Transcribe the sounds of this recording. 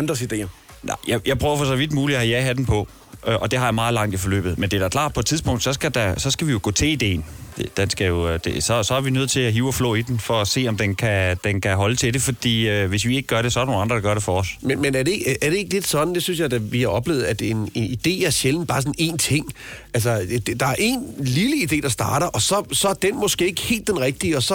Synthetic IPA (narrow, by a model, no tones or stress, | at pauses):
nd̥ʁɐsid̥e̝̰ːɐ | nɑ̰ɪjɑ̈ɪjɑ̈ɪpʰʁœʊɐfɒ̽sɒʋid̥muːliæhæjæɦæd̥en̩pʰɒ̽ | ʔʔɒ̽d̥e̝hɑ̈jɑ̈mɑ̈ːð̩ˠlɑ̈ŋ̰d̥ifɒ̽lø̰ːb̥ð̞̩ˠmend̥e̝ɐɾ̥ɑkʰlɑ̈ːd̥pʰɒ̽e̥t͡sʰiðˠsb̥ɔ̽ŋ̰d̥sɒ̽sɡ̥æd̥æsɒ̽sɡ̥æʋijo̝ɡ̥ɔ̰ːt͡sʰe̝lid̥e̝̰ːnd̥ed̥ensɡ̥æjo̝d̥esɒ̽sɒ̽æɐʋinøð̰̩ˠt͡sʰe̝læɦiːʊɒflɔ̰ːid̥enfɒ̽ːse̝̰ːɒ̽md̥enkʰæd̥enkʰæɦɒ̽lət͡sʰe̝d̥e̝fɒ̽d̥ḭːøʋe̝s̬ʋie̝ɡ̥əɡ̥ɶɐɾ̥esɒ̽ɐdɐnoːnɑ̈nd̥ʁɐd̥ɑɡɶɐɾ̥efɒɒsmenmenæɐde̝eɡ̥æɐɾ̥e̝e̝ɡ̥le̝d̥sɒ̽d̥n̩d̥e̝synsjɑ̈ɪd̥æʋihɑ̈ʔɒ̽b̥le̝ːʊð̩ˠæd̥eene̝nid̥e̝̰ːæɐɕeln̩b̥ɑ̈ːsɒ̽n̩e̝̰ːnt͡sʰe̝ŋ̰ʔæls̬ɐ̥d̥ɑ̈æɐʔe̝nliləid̥e̝̰ːd̥ɑ̈sd̥ɑ̈ːɾɐʔɒ̽sɒ̽sɒ̽ɐd̥enmɒ̽sɡ̥e̝ːe̝ɡ̥əhe̝̰ːld̥enʁɛɡ̥̚d̥iəɒ̽sɒ̽